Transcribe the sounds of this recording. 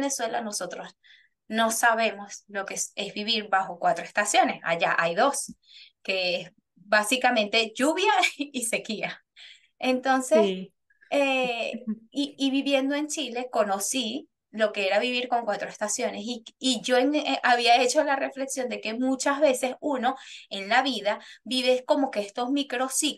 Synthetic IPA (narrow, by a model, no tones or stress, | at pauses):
ne̞swe̞lano̞so̞t̪ɾo̞s | no̞saβe̞mo̞slo̞ke̞se̞sβiβiɾβaxo̞kwat̪ɾoe̞st̪asjo̞ne̞sa̰ʝaʔajðo̞s | ke̞es | basikamẽ̞nt̪e̞ʝuβjaise̞kia | ent̪o̞nses | e | iːβiβje̞nd̪o̞e̞nt͡ʃile̞ko̞no̞si | lo̞ke̞e̞ɾaβiβiɾko̞ŋkwat̪ɾoest̪asjo̞nesiiʝo̞eŋaβiae̞t͡ʃo̞lare̞fle̞ksjo̞nd̪e̞ke̞mut͡ʃazβe̞se̞suno̞e̞nlaβiðaβiβesko̞mo̞keest̪o̞zmikɾo̞si